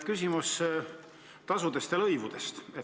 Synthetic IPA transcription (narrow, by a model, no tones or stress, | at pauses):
kys̬ʲimus | t̪ɑsud̪̥e̞st̪jɑlɤjvud̪̥e̞st̪e